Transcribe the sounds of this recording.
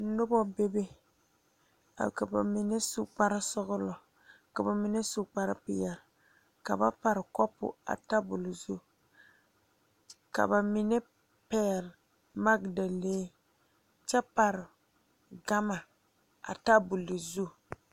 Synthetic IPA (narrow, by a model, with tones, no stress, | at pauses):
nʊ˦bɔ˦be˦be˦ | a̰˨ka˨ba̰˨mi˨nɛ˦su˦k͡pa˦ɾɪ˦sʊ˦ɣʊ˦lɔ˨ | ka˨ba˨mi˨nɛ˦sʊ˦k͡pa˦ɾɪ˦pɪ˦jɛ˨ɾ | ka̰˨ba˦pa˨ɾɪ˨kɔ˦pːʊ̰˨a̰˨ta˦bʊ˨lɪ˨zu˦ | ka̰˨ba˨mi˨nɛ˦ | pɛː˦˨l | ma˦ɡda˨leː˦ | t͡ʃɛ˦pa˨ɾɪ˨ | ɡa˦ma˨ | a̰˨ta˦bʊ˨li˨zu˦